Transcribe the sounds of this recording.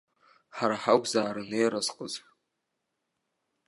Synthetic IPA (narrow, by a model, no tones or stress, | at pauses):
ħaɾaħaɡʷzaːɾɨnejɾazqʼəz